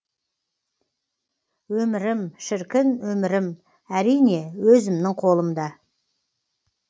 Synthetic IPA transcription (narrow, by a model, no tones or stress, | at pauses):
wɵmɪɾɪmʃɪɾkʲɪnwɵmɪɾɪm | æɾijne̞wɵzɪmnɪŋqʰo̞lˠəmd̪ɑ